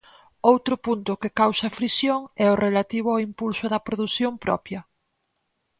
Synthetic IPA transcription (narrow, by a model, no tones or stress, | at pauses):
owt̪ɾʊpunt̪ʊkɪkawsɐfɾisjoŋɛorʔelat̪iβ̞ʊaimpulsʊðɐpɾoðuθjompɾɔ̰pjɐ